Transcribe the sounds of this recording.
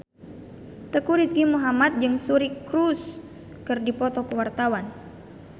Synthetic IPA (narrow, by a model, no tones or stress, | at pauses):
t̪əkuɾisɡimuɦamat̪̚d͡ʒɨŋsuɾikɾus | kɨrdipɔt̪ɔkəwart̪awan